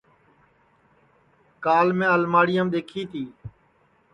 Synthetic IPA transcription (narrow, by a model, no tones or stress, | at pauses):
kaːlmẽːəlmaːɽɪjaːmɗ̪eːkʰiːt̪ʰiː